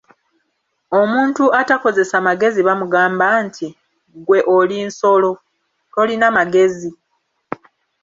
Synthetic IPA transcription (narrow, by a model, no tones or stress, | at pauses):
o̞muːntuatako̞ze̞samaɡe̞ziβamuɡaːmbantʰi | ɡwe̞ʔoliːnso̞lo̞ | to̞linamaɡe̞zi